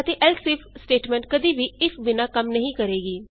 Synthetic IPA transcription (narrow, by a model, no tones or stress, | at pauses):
ət̪eːʔɛlsɪpʰsʈeːʈmɛ̃ɳʈ̚kəd̪iːʋiːɪsbɪnaːkəmnəɦĩːkəɾeːɡiː